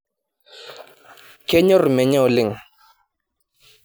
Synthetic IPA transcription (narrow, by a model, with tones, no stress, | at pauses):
ke˦ɲɔ˦ɾmɛ˨ɲɔ˦o˨li˨ŋ